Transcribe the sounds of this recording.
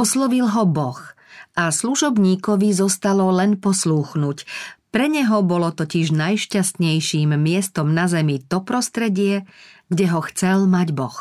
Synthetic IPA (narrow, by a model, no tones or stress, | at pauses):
ɔslɔʋilɦɔbɔx | ʔasluʒɔbɲiːkɔʋizɔst̪alɔlɛnpɔsluːxnuːcpɾɛɲɛɦɔbɔlɔt̪ɔciʒnajʃcast̪ɲɛjʃiːmːɪɛst̪ɔmnazɛmit̪ɔpɾɔst̪ɾɛɟɪɛɡɟɛɦɔxt͡sɛlmaɟbɔx